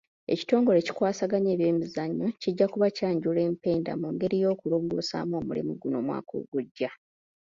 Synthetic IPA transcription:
e̞̰ci̥to̞ːŋɡo̞ɾe̞ci̥kwaːsaɡaɲeːβje̞ːmizaɲːuciɟːakuβacaːɲɟule̞ːmpe̞ːnda̰muŋɡe̞ɾijo̞ːkuloːŋɡo̰ːsa̰ːmo̞ːmulḭmuɡuno̞mwa̰ːkʰo̞̰ːɡuɟːa

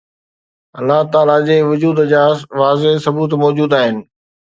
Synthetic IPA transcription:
ɐlːaɦt̪aːlad͡ʑeːʋʊd͡ʑuːd̪d͡ʑaːʋaːzesɐbuːt̪mɔːd͡ʑuːd̪aːɦɪnɪ̆

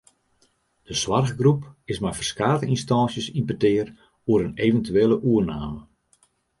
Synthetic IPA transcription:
d̥əswarɣɡrupɪsmɛjfərskaːtəinstɔːnsjəsimpətɪər | uəɾənevəntyeːləʔuərnaːmə

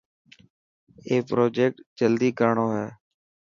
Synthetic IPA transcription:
eːpɾoːd͡ʒeːk̚ʈd͡ʒəld̪iːkəɾɳoːɦɛː

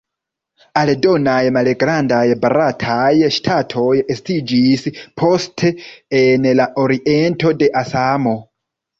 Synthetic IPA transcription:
aledo̞najmalɡɾandajbaɾatʰajʃtʰatʰo̞jestid͡ʒispʰo̞stʰeːnlaʔoɾiʔentʰo̞de̞ʔasamo̞

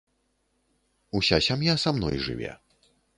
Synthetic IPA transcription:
usʲasʲamjasamnɔjʐɨ̰vʲɛ̰

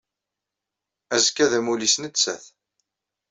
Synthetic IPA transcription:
æzəkːæðæmulisnət͡sːæ̰θ

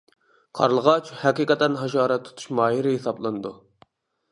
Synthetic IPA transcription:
qʰɑ̰ɾlˠəʁɑt͡ʃhɛqiːqɛt̪ːɛnɦɑʃɑːɾɛt̪ʰːu̥t̪ʰu̥ʃmɑːɦiɾɪɦesɑblˠɨnɨd̪u

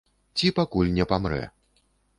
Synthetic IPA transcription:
t͡sʲipakulʲnʲɛpamɾɛ̰

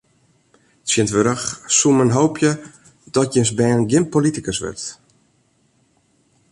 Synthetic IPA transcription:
tsjɪntʋøɾəxsumənɦowpʰjə | d̥ɔtjənsbɛːnɡɪmpːolitikəsʋø̰rt

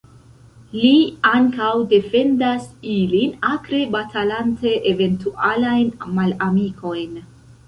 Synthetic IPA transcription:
liaŋkawde̞fe̞ndasilinakɾe̞batʰalante̞ʔeve̞ntuʔalajnmalamikʰo̞jn

